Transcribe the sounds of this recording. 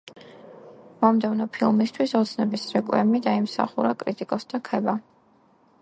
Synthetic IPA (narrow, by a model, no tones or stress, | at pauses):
mɔmd̪ɛvnɔpʰilˠmist̪ʰwisɔt̪sʰnɛbisɾɛkʼwɛ̰mid̪aimsa̰χuɾakʼɾit̪ʼikʼɔsd̪̥akʰɛba